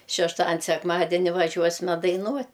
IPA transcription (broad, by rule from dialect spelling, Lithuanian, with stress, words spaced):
ʃʲɛʃˈtɑːdʲɪnʲ sʲɛkˈmɑːdʲɛnʲɪ ʋɐˈʒʲuɔsʲmʲɛ dɐɪˈnuɔtʲ